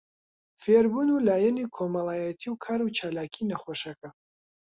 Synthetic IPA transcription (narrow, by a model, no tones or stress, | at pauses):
feɾbuːnuːlaːjɛniːkʰomɐlˠaːjɛt̪ʰiwkʰaːɾut͡ʃʰaːlaːkʰiːnɐχoʃɐkɐ